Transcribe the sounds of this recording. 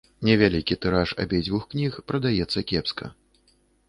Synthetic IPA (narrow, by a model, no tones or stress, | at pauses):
nʲɛvʲalʲikʲit̪ɨɾaʂa̰bʲejd͡zʲvuxknʲixpɾɐd̪ajɛt̪sːɐkʲɛpskɐ̰